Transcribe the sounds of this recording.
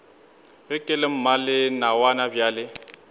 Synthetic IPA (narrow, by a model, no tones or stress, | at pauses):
ɣɪkʼɪlem̩malɪnawanabjaːlɪ